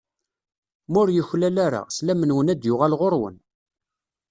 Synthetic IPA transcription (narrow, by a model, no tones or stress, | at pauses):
mʊɾjəçlælaɾa̰slæmənwənæd̪jʊʁalʁoɾˤwə̰n